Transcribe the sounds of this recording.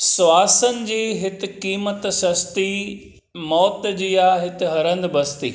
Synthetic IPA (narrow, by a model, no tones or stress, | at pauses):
saːsənɪ̆d͡ʑiːɦɪt̪ɪ̆kiːmət̪sɐst̪i | mɔːt̪d͡ʑiːjaɦɪt̪ɪɦɐɾə̃nd̪bɐst̪ḭː